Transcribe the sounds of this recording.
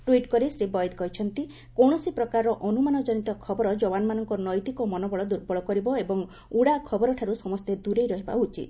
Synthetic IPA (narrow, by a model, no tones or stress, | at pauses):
ʈuiʈkɔɾisɾibɔjd̪kɔɦit͡ʃʰɔnt̪i | kɔwɳ̃ɔsipɾɔkaɾɾɔʔɔnumanɔd͡ʒɔnit̪ɔkʰɔbɔɾɔd͡ʒɔwanmanɔŋkɔnɔjt̪ikɔmɔnɔbɔɭɔd̪uɾbɔɭɔkɔɾibɔebɔŋ | uɽakʰɔbɔɾɔʈʰaɾusɔmɔst̪ed̪uɾejɾɔɦiba̰ut͡ʃʰḭt̪